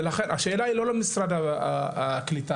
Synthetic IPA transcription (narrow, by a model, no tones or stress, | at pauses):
laχe̞nʔaʃe̞ːlailo̞lemisɾad̪aaklit̪a